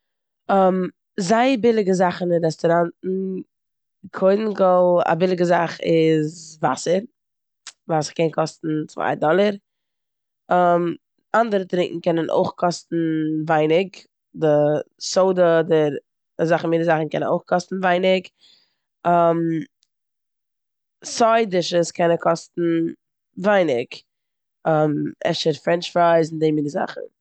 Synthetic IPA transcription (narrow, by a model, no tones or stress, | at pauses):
əm | zaɪbɪlˠɪɡəzaχn̩ɪnɾɛstɔɾantn̩ | kʰoɪdn̩ɡɔlˠa̰bɪlˠɪɡəzaχɪzva̰səɾ | vasəkɛnkʰɔstn̩t͡sva̰ɪdɔlˠəɾ | əm | andəɾətɾɪ̃ŋkŋ̩kɛnənʔo̰ɪχkʰɔstn̩vaɪnɪk | dɪsoʊdədɪɾ | azaχminəzaχn̩kɛ̰nə̰noʊχkʰɔstn̩vaɪnɪk | am | sɔɪdɪʃəskʰɛnəkʰɔstn̩ | vaɪnɪɡ | amʔɛ̰ʃəɾfɾɛnt͡ʃfɾaɪzndemiːnəza̰χn̩